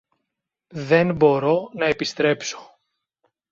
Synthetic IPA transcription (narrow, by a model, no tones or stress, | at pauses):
ðe̞nbo̞ɾo̞nɐepist̪ɾe̞pso̥